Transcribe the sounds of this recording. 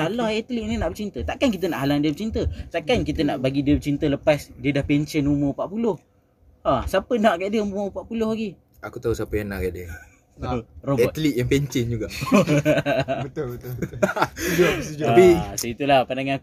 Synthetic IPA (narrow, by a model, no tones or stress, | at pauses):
alahɛt̪liʔ̚ninaʔbət͡ʃint̪ət̪aʔkankit̪ənaʔhalaŋdiəbət͡ʃint̪əsakankit̪ənaʔbaɡidiəbət͡ʃint̪ələpasdiədahpeɲt͡ʃənuməpaʔpulʊh | asapənaʔkaʔdəumuməpaʔpulohaɡi | akut̪ausapəjana̰ʔkaʔdə | robɛɔt̪lit̪̚jaŋpɛɲt͡ʃənd͡ʒuɡa | bət̪bət̪ | d͡ʒaisit̪ulahpandaŋan